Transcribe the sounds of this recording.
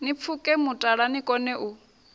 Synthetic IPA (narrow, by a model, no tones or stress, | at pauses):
nip̪fʰukʼɛmutʼaɺanikʼɔnɛʔu